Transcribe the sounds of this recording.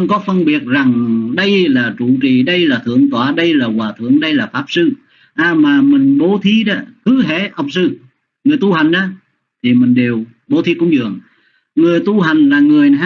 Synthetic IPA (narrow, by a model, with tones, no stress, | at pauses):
ŋ͡mkɔ˨˦fə˧nɓi˨˩ət̚za˨˩ŋɗə˧jlaː˨˩t͡ɕu˧˩t͡ɕi˨˩ɗə˧jlaː˨˩t̪ʰɨ̰˧˩˨əŋt̪waː˧˩ɗə˧jlaː˨˩kwaː˨˩t̪ʰɨ̰˧˩˨əŋɗə˧jlaː˨˩faː˦˥p̚sɨ˧ | ʔaː˧˩maː˨˩mï˨˩ŋ̟ɓo˨˦t̪ʰi˨˦ɗa˨˦kɨ˨˦ɦḛ˧˩ʔə˨˩wk͡p̚sɨ˧ | ŋɨ˨˩əjt̪u˧ɦa˨˩jŋ̟ʔaː˨˧˦ | t̪ʰi˨˩mï˨˩ŋ̟ɗe˨˩w | ɓo˨˦t̪ʰi˨˦kʊ̰˧˥˦ŋ͡mzɨ̰˨˩əŋ | ŋɨ˨˩əjt̪u˧ɦa˨˩jŋ̟laː˨˩ŋɨ˨˩əj